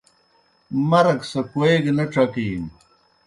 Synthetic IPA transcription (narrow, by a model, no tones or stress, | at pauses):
mɐɾɐksɐkoeɡnɐʈ͡ʂɐkiːm